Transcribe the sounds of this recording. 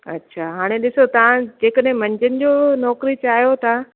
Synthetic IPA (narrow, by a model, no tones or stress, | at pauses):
ɐ̰tːɕʰaːɦaːɽ̃eɗɪsot̪ɐʋãd͡ʑeːkəɗɦɪ̃mɐ̃ɲd͡ʑənɪ̆d͡ʑoːnɔːkɾit͡ɕaːɦijot̪ʰa